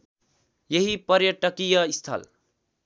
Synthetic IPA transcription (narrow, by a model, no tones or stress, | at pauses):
jeɦipʌɾjʌʈʌkijʌist̪ʰʌ̰l